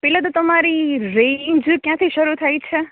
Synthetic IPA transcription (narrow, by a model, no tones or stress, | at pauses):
pɛːlet̪̬ot̪əmaɾiɾend͡ʒkjãt̪ʰiʃəɾut̪ʰajt͡ʃʰe